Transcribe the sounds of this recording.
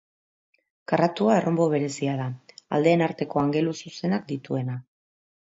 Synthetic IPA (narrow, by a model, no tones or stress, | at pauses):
karat̪uae̞rʔo̞mbo̞β̞e̞ɾe̞siað̞aa̰ld̪e̞ːnaɾt̪e̞ko̞aŋɡe̞lususe̞nak̚d̪it̪ue̞na